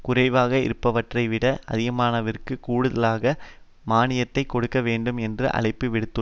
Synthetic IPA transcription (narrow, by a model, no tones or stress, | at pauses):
kʊrɐɪʋaːɣɐɪ̰ɾɯpːɐʋɐʈrɐɪʋɪɽɐʔɐðɪɣɐmaːnɐʋɐrkɯkuːɽɯðɐlaːɣɐ | maːnɪjɐt̪ːɐɪkːɔɽɯkːɐʋeːɳɖɯmɛndrɯ̰ʔɐ̰ɭɐɪpːɯʋɪɽɯt̪ːɯ